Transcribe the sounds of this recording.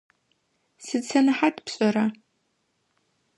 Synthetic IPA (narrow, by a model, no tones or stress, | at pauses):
sɨt͡sʰanaħatʰʼpʰɕʷʼaɾa